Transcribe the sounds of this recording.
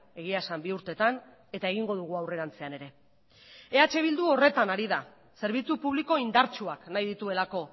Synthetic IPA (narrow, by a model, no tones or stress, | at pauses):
e̞ɣiasambiuɾt̪e̞t̪an | e̞t̪ae̞ɣ̞iŋɡo̞ð̞uɣ̞uawre̞ɾant͡se̞ane̞ɾe̞ | e̞at͡ʃe̞β̞ild̪uo̞re̞t̪anaɾiða | se̞ɾβ̞it͡supuβ̞liko̞ind̪aɾt͡ʃuaknajðit̪ue̞lako̞